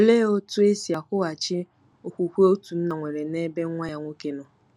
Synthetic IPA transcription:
o˨le˦o˦tu˦e˦si˨a˨kʷʊ˦a˨t͡ʃɪ˦ | o˨kʷu˨kʷu˦o˦tu˨n̩˦na˨ŋʷe˨ɾe˨ne˦be˦ŋ˦ŋʷa˦ɲa˨ŋʷo˦ke˨no˨

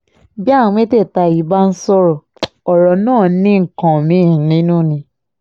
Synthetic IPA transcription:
bi˦a˦˨˦m̃ẽ˦te˦˨ta˧˨i˨˦ba˦n̩˦sɔ˦ɾɔ˨ | ɔ˨ɾɔ˨nãː˦˨˦nĩ˦ŋ̩˨kã˨mĩ˨˦˨nĩ˨˦nũ˦˨nĩ˧

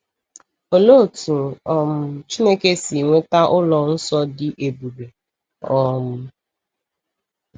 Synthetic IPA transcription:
o˨loː˦˨tu˨ɔ˨m̩ʊ˨t͡ʃi˦ne˦ke˦si˨ŋʷe˦ta˦ʔʊ˦lɔ˨n̩˦sɔ˦dɪ˦ʔe˨bu˨be˨ | ɔ˦mʊ˦

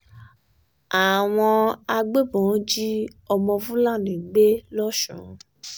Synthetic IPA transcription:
a˨w̃ɔ̃˧a˧ɡ͡be˦bɔ̃˨˦d͡ʒi˦ɔ˧mɔ̃˧fũ˦la˦˨nĩ˨ɡ͡be˦lɔ˦ʃṵ̃˨˧

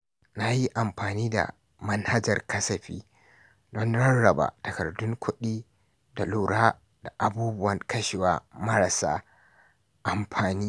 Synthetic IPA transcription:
na˦ji˦ʔa˨mɸaː˨niː˦da̰˨ | mɐ˦nha˦d͡ʒɐ̰˨rkɐ˦sɐ˨ɸḭː˦ | dɔ˦nɽɐ˦nɽɐ˨ba̰ː˨tɐ˨kɐ˨rdʊ˦ŋkʷʰʊ˦ɗiː˦ | da˨luː˨ɽaː˦ | d̥a˨ʔa˨buː˦bʊ˦wɐ˨ŋkɐ˦ʃɪ˨waː˦mɐ˦ɾɐ˨sa̰ː˦ | ʔa˨mɸʰaː˨niː˦

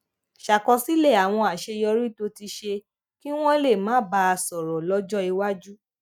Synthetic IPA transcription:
ʃa˨kɔ˧si˦lɛ˦˨a˨w̃ɔ̃˧a˨ʃe˧jɔ˧ɾi˦to˧ti˧ʃe˧ | ki˦w̃ɔ̃˦le˦˨mãː˨˦ba˧˦a˧sɔ˨ɾɔ˨lɔ˦d͡ʒɔ˦i˧wa˦d͡ʒu˦

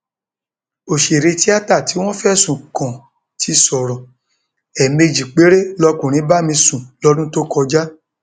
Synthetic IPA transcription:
o˨ʃe˨ɾe˧ti˦a˦ta˦˨ti˨˦w̃ɔ̃˦fɛ˦˨sũ˨kɔ̃˨ | tʰi˧˦sɔ˨ɾɔ̃˨ | ɛ˨me˧d͡ʒi˨k͡pe˨˦ɾe˦lɔ˧kũ˨ɾ̃ĩ˨˦ba˦mĩ˧sũ˨lɔ˦dũ˦to˦kɔ˧d͡ʒa˦

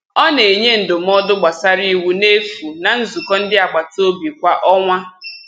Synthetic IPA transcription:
ɔ˦ne˨e˨ɲe˦n̩˨dʊ˨m̩˦ɔ˦dʊ˦ɡ͡ba˨sa˦ɾi˦˨wu˦ne˦fu˨na˨n̩˦zu˨kɔ˦n̩˦dɪ˦a˨ɡ͡ba˨to˦bi˨kʷa˦ʔɔ˦ŋʷa˦

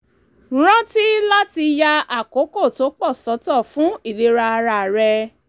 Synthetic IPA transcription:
ɾ̃ã˦ti˦la˦ti˧ja˧a˨ko˨˦ko˦˨to˨˦k͡pɔ˦˨sɔ˨˦tɔ˦˨fũ˨˦i˦˨le˨˦ɾa˧a˧ɾa˧˨ɾɛ˧

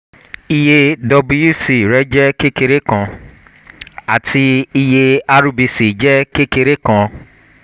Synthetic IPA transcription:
i˧je˧dɔ˧bi˧ju˦si˨ɾɛ˦d͡ʒɛ˦ke˦ke˧ɾe˦kã˧ | a˨tʰi˧i˧je˧a˧ɾu˧bi˧si˨d͡ʒɛ˦ke˦ke˧ɾe˦kã˧

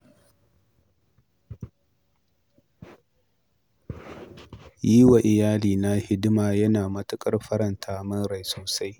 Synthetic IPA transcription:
jiː˦wa˨ʔɪ˨jaː˦liː˨na˦hɪ˦dmaː˨jɐ˦naː˨mɐ˦tʊ˦kʼɐ˦rɸɐ˦ɾɐ˨ntʰaː˦mɐ˦nɾa˨jsoː˨sa˦j

